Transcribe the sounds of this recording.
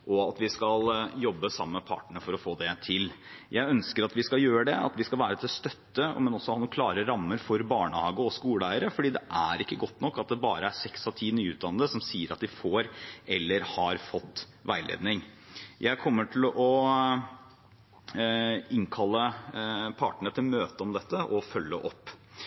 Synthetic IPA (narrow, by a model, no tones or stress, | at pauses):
ʔɔɑt̪ʋɪskɑljɔbːəsɑmːəpʰɑ̰ːʈɳəfɔɾɔfoːd̪ɛt̪ʰɪljæɪœnskəɾɑt̪ʋɪskɑljøːɾəɖɛɑ̰t̪ʋɪskɑlʋæːɾət̪ʰɪlst̪œt̪ːə̰mɛnɔsːɔhɑːnuːkʰlɑːɾəɾɑmːəɾfɔɾbɑːɳəhɑːɡəɔskuːlæɪəɾəfɔɖiːd̪ɛʔæɾɪkːəɡɔt̪ːnɔkːɑt̪̚d̪ɛbɑ̰ːɾəæsɛksɔt̪ʰiːnyːʉːt̪̚d̪ɑnəd̪əsɔmsiːəɾɑt̪d̪ɪfoːɾɛlːəɾhɑɾfɔt̪ː | ʋæɪlʔḛːd̪nɪŋ | jʔæɪkʰɔmːəʈʰɪlɔ | ɪŋkʰɑlːə | pʰɑːʈəɳət̪ʰɪlmøːt̪əɔmd̪ɛt̪ːəʔɔfœlːəʔɔpː